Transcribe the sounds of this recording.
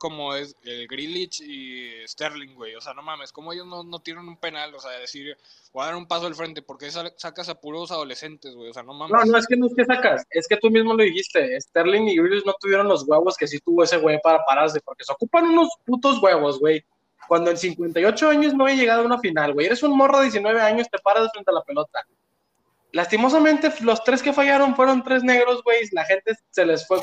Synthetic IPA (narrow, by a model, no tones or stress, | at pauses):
ko̞moeseɣɾilit͡ʃiest̪eɾliŋɡwejo̞seano̞mãmeskomoeʝo̞znono̞t̪jenenũmpe̞naloseaðeðesiɾ | baðaɾumpasoalfɾe̞nt̪epoɾkesasakasapuɾosaðo̞lese̞nt̪ezwejoseano̞mãmnono̞e̞skenoeske̞sakase̞ske̞t̪umizmo̞loðixist̪e̞ːst̪eɾliŋiɣɾilit͡ʃno̞t̪uβje̞ɾo̞nlo̞zɣwe̞βo̞skes̬it̪uβo̞e̞se̞ɣwe̞jpaɾapaɾaɾs̬e̞po̞ɾke̞seo̞kupanũno̞sput̪o̞zɣwe̞β̞o̞zɣwe̞j | kwand̪oens̬iŋkwe̞nt̪ajo̞t͡ʃo̞aɲo̞znoβejaʝe̞ɣað̞ounafinalɣweje̞ɾe̞sunmo̞roðjes̬inwe̞β̞e̞aɲo̞st̪e̞paɾazefɾent̪ealape̞lo̞t̪a | last̪imo̞s̬ament̪e̞lo̞st̪ɾe̞ske̞faʝaɾo̞nfwe̞ɾo̞nt̪ɾe̞zne̞ɣɾo̞zɣwe̞jslaxe̞nt̪e̞se̞lesfwe